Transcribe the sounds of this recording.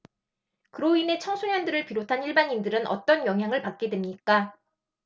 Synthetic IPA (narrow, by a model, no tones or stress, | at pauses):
kɯɾoine̞t͡ɕʰʌŋsʰuɲʌndɯɾɯɭpiɾotʰaniɭbaɲindɯɾɯnʔʌ̰t͈ʌnjʌŋɦjaŋɯɭpak̚k͈e̞dwemɲik͈a